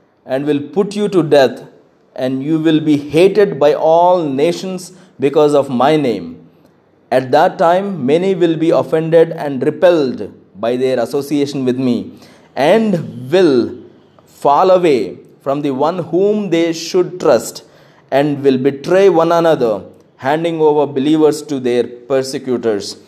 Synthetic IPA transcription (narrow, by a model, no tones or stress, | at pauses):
ʔɛ̃ɳɖʋɪlpʊʈjuʈuɖɛt̪ʰ | ʔɛ̃ɳɖjuːʋɪlbiːheːʈeɖbaɪʔɔːlneːʃə̃ns | bɪkɔːzɔʋmaɪnḛ̃ːm | æʈ̚d̪æʈːãɪ̃mːɛniʋɪlbiːɔfɛ̃ɳɖeɖɛ̃ɳɖɾɪpɛlɖ | baɪd̪eɾɐsoːsieːʃə̃nʋɪd̪mḭː | ʔɛ̃ɳɖʋɪl | fɔːləʋeː | fɾɔ̃md̪iʋʌ̃nhũːmd̪eːʃʊɖ̚ʈɾʌsʈ | ʔɛ̃ɳɖʋɪlbɪʈɾeːʋʌ̃nənʌd̪əɾ | hæ̃ɳɖɪ̃ŋoːʋəɾbɪliːʋəɾsʈud̪eːɾpəɾsɪkjuːʈəɾs